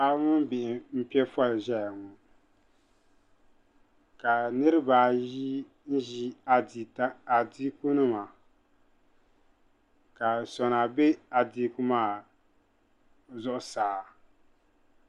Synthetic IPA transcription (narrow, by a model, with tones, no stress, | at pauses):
a˦ŋʊ˦n˦bɪ˨ʔɪ˨m̩˦pi˦ɛ˦fɔ˦lʒɛ˦ja˨ŋɔ˨ | ka˨nɨ˦ɾɨ˦baː˨ji˦ | n̩˦ʒi˦a˨di˨ta˦a˨di˦ku˦nɨ˦ma˨ | ka˨sɔ˨na˨be˦a˨di˦ku˦maː˦˨ | zʊ˦ʔʊ˦˨saː˨˦